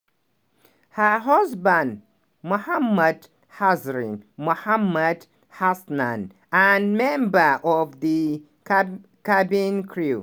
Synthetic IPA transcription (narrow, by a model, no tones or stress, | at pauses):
həɦʌzbə̃nd | muhamːəd | hazɾḭ̃nmuhamːəd | hasnã̰n | anmɛ̃mbəʔɔvd̪i | kabĩnkʰɹu